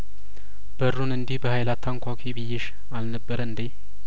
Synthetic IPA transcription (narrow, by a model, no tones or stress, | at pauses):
b̥ərːunɨnd̪ibəhajlat̪ʰːaŋkʷʰakʰibijːɛʃ | alnəbːəɾɨnd̪e